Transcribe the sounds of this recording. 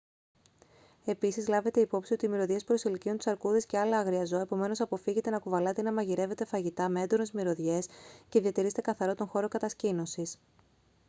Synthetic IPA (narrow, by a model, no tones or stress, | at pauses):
e̞pisizlɐve̞t̪e̞ipo̞psio̞t̪iːmiɾo̞ðʝe̞spɾo̞siliciot̪u̥sɐɾkuðisce̞ɐlɐɐɣɾiɐzoe̞po̞me̞no̞sɐpo̞fiʝe̞t̪e̞nɐkuvɐlɐt̪enɐmɐʝiɾe̞ve̞t̪e̞fɐʝit̪ɐme̞end̪o̞ne̞zmiɾo̞ðʝe̞sce̞ðiɐt̪iɾiset̪ekɐθɐɾo̞t̪o̞ŋxo̞ɾo̞kɐt̪ɐscino̞sis